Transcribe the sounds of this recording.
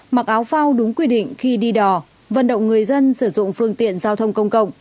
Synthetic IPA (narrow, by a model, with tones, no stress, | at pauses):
ma˨˩k̚ʔaː˨˦wfa˧wɗʊ˨˦ŋ͡mkwi˧ɗḭ˧˨ŋ̟xi˧ɗi˧ɗɔ˨˩ | və̰˧˨nɗə̰˧˨wŋ͡mŋɨ˨˩əjzə˧nsɨ˧˩zʊ̰˧˨ŋ͡mfɨ˧əŋt̪ḭ˧˨ənzaː˧wt̪ʰə˧wŋ͡mkə˧wŋ͡mkə̰˧˨wŋ͡m